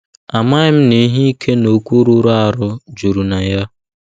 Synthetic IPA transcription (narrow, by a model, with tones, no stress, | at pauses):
a˨ma˦ɪ˦m̩˦ni˦ɦi˦i˦kʰe˦no˨kʷu˦ɾu˦ɾa˦˨ɾʊ˦d͡ʒu˨ɾu˨na˨ja˦